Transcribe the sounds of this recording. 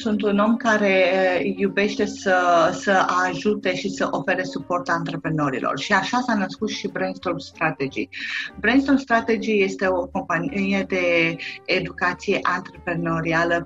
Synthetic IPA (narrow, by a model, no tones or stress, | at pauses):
sunt̪uno̞mkaɾe̞jube̞ʃt̪e̞səsəaʒut̪e̞ʃisəʔo̞fe̞ɾe̞supo̞rt̪ant̪ɾe̞pɾeno̞ɾḭlʔo̰rʃiaʃasanəskut̪ʃibɾenst̪orst̪ɾat̪ed͡ʒḭbɾenst̪ost̪ɾat̪e̞d͡ʒije̞st̪e̞o̞ko̞mpanijed̪e̞ː | d̪ukat̪sije̞ʔant̪ɾepɾe̞no̞ɾialə